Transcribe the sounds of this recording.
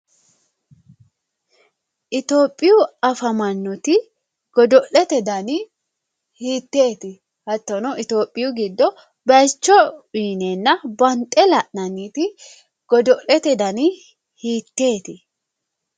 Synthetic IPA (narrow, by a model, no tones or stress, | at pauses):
ʔɪt̪o̞ːpʼːɪjʊɐfɐmɐnːɔt̪ɪ | ɡ̥ɔd̪ɔʔɛt̪ɛd̪ɐnɪ | hiːt̪ːe̞ːt̪ɪ | hɐt̪ːɔnɔʔɪt̪o̞ːpʼːɪjʊɡɪd̪ːɔ | bɐjt͡ʃːɔiːnɛnːɐbɐnt̪ʼːɛlɐʔnɐniːt̪ɪ | ɡ̥ɔd̪ɔʔɛt̪ɛd̪ɐnɪ | hiːt̪ːe̞ːt̪ɪ